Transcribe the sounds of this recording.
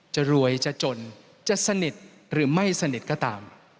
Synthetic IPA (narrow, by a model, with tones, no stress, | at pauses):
t͡ɕa˨˩ɾu˧əjt͡ɕa˨˩t͡ɕo˧n | t͡ɕa˨˩sa˧ni˨˩t̪̚ | ɾɯː˩˦ma˥˩jsa˧ni˨˩t̪̚kɔː˥˩t̪a̰ː˧m